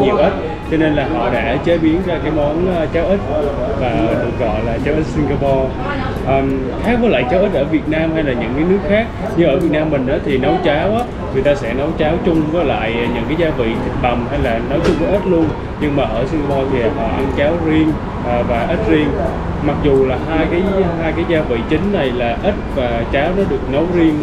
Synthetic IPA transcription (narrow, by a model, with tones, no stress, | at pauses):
ɲi˨˩əwʔə˦˥t̚ | t͡ɕɔ˧ne˧nlaː˨˩ɦɔ̰˧˨ɗa̰ː˧˥t͡ɕe˨˦˥ɓi˨˦ənka˧˩kaː˨˦jmɔ˨˦nː˧t͡ɕaː˨˦wʔi˦˥t̚ | vaː˨˩˨ɗɨ˨˩ə˩k̚ɣɔ̰˧˨jlaː˨˩t͡ɕaː˨˦wʔi˦˥t̚si˧ŋɣaː˧pɔ˧ | ʔəː˨˩m | k̪ʰaː˨˦˥kɔ˨˦la̰ː˧˨jt͡ɕaː˨˦wʔi˦˥t̚ʔəː˧˩vi˨˩ə˩t̚naː˧mha˧jlaː˨˩ɲɨ̰˧˥nkaː˨˦jnɨ˦˥ək̚xaː˦˥k̚ | ɲɨ˧ŋʔəː˧˩vi˨˩t̚naː˧mːï̟˨˩ʔaː˨˦t̪ʰi˨˩nɔ˨˦wt͡ɕaː˨˦wʔaː˨˦ | vi˨˩t̪aː˧sɛ̰˧˥nə˨˦wt͡ɕaː˨˦wt͡ɕʊ˧ŋ͡mvɔ˨˦la̰ː˧˨jɲɨ̰˧˥ŋkaː˨˦jzaː˨˦vḭ˧˨ɓa˨˩ŋ͡mha˧jlaː˨˩nə˨˦wt͡ɕʊ˧ŋ͡mvɔ˨˦ʔi˦˥t̚lu˧ən | ɲɨ˧ŋmaː˨˩ʔəː˧˩si˧ŋaː˧pɔ˧t̪ʰi˨˩ha̰ː˨˦hɔ̰˧˨˩ʔa˧nt͡ɕaː˨˦wzi˧əŋ | ʔəː˨˩vaː˨˩ʔə˦˥t̚zi˧əŋ | ma˨˩k̚zu˨˩laː˨˩haː˧jkaː˨˦jɦaː˧jkaː˨˦jzaː˧vḭ˧˨t͡ɕï˨˦ŋ̟na˨˩jlaː˨˩ʔi˦˥t̚vaː˨˩t͡ɕaː˨˦wnɔ˨˦ɗɨ˨˩ək̚nə˨˦wzi˧ən